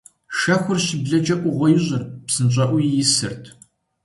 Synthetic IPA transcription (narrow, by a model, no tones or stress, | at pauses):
ʃɐxʷʊrɕɪbɮɐd͡ʒɐʔʷʊʁʷɔjɪʑɐrpsɨnɕʼɐʔʷʊjjɪsɨ̰rtʰ